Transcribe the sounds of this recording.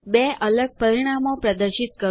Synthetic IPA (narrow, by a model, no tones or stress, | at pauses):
beʔələɡ̚pəɾiɽ̃amopɾəd̪əɾʃit̪̚kə